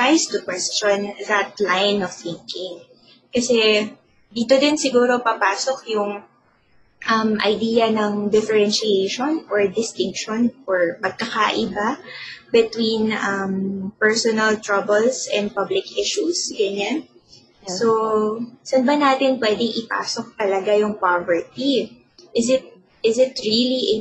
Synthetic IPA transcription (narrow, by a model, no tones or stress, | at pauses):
ajst̪ʊkwɛst͡ʃonðɐt̪̚lajnɔfθɪŋkɪŋ | kɐsɛ | d̪iːt̪od̪ɪnsɪɡuːɾo̞pɐpaːsok̚jʊŋ | ʔɐmʔɐ̰jd̪iːjɐnɐŋd̪ɪfɛɹɛnʃɪejʃonʔɔɹd̪ɪst̪ɪŋkʃonʔoɹpɐɡ̚kɐkaʔɪbabɛt̪winʔɐmpɛɹsonɐlt̪ɹɐbɛlsɛ̰̃nd̪̚pablɪkʔɪʃusɡɐɲan | sosɐnbɐnaːt̪ɪnpwɛːd̪ɪŋʔɪpa̰ːsok̚t̪ɐlɐɡajʊŋpavɛɹt̪i | ʔɪsɪt̪̚ | ʔɪsɪt̪ɹiːliʔɛ